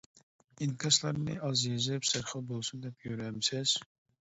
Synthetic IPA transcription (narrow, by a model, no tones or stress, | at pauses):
inkʲʰɑslˠɑɾnɨ̰ɑzjezɛpsæɾχəbolˠsund̪ɛpjøɾɛmsɪz̥